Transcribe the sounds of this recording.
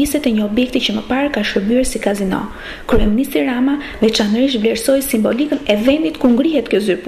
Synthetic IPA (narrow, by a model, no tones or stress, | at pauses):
isɛt̪ɛɲəɔbjɛk̚t̪icəməpaɾkaʃəɾbyɛɾsikazinɔ̰ | kɾyɛminist̪ɾiɾama | ðɛt͡ʃanəɾiʃ̬t̪vlɛɾsɔjsimbɔlikənɛvɛnd̪it̪kuŋɡɾiɦɛt̪kjɔzyɾp